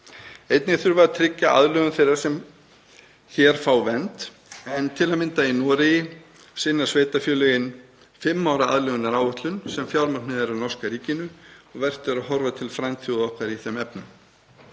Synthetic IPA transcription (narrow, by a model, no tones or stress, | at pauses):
ejt̪nɪθʏɾvaat̪ʰɾɪcːaʔa̰ðlœɣʏnθejɾaɾ̥sɛm | çɛɾ̥fawvɛnt̪ | ɛnt̪ʰɪlamɪnt̪ainɔːɾɪjɪ | sɪnːḁsveːjt̪afjœːlʏɣɪn | fɪmːawɾaa̰ðlœɣʏnaɾaːwʏht̪lʏnsɛmfjawɾmḁnɪðɛɾanɔr̥skaɾiːcɪnʏɔɣvɛr̥t̪ɪɾaðɦɔɾvat̪ʰɪlfɾajnt̪θjuðɔhkaɾiθɛmɛpnʏm